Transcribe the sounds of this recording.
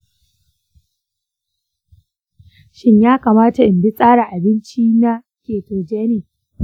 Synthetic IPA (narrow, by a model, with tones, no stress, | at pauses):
ʃɪ˦ɲjaː˦kaː˨maː˦ta˨ʔɪ˨mbɪ˦sʼaː˦ɽa˨ʔa˨bɪ˦nt͡ʃiː˦na˦ | kʲeː˨toː˨d͡ʒeː˦neː˨